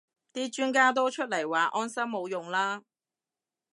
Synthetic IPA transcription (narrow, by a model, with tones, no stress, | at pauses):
t̪iː˥t͡ʃyː˥nkaː˥t̪̬o˥wt͡ʃʰɵ˥t̚lɐ˨˩jwaː˨ʔɔː˥nsɐ˥mmo˨˧wjʊ˨ŋlaː˥